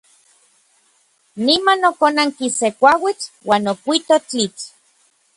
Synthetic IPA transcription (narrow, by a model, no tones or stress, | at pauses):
nimanokonaŋkisekʷawit͡ɬwaːnokʷit̪ot͡ɬit͡ɬ